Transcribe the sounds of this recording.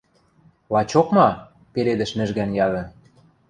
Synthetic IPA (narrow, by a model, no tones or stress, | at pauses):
lɑt͡ɕokmɑ | peɾed̪ɘ̆ʃmɘ̆ʒɣænjɑðɤ̆